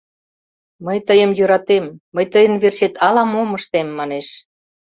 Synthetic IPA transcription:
məjt̪əjə̆mjøɾɑt̪emːəjt̪əjə̆nβerʃet̪ʰɑlɑmoməʃt̪emːɑneʃ

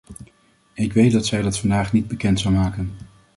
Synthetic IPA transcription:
ɪkʋejt̚dɑtsɛjdɑtfɑndaːχnid̚bəkɛntsawmaːkən

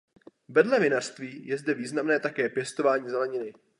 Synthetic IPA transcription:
vɛdlɛvɪnar̥st̪viːjɛzdɛviːznamnɛːt̪akɛːpjɛst̪o̞vaːɲiːzɛlɛɲɪnɪ

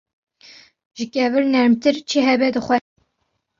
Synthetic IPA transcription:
ʒɨkʲɛvɨɾnɛɾmt̪ɨɾt͡ʃʰiɦɛbɛd̪ɨxʷɛ

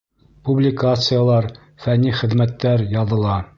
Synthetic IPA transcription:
publʲɪkat̪sɨjalˠɑɾ | fænːiχɘ̆ðmæt̪ːæɾjɒðɤ̆lˠɑ

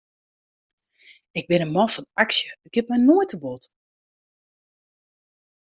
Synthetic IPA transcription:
ɪɡ̚bɪnənmɔfɔnaksjəɡ̥ɪp̚mɛnoətəbot

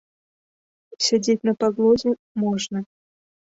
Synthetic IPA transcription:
sʲadʲetʲnəpɑɡlˠozʲɪ | moʐnə

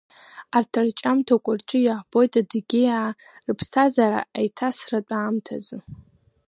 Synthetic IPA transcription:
artʰart͡ʃʼamtʰakʷʼʊrt͡ʃʼɪjaʕbojtʰʼadɡʲɪja | rɨpʰstʰazaɾa̰ːjtʰasrat͡pʷʼaːmtʰazɨ

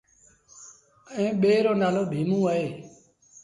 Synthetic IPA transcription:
əẽːɓeːɾoːnaːloːbʱiːmũːəɦeː

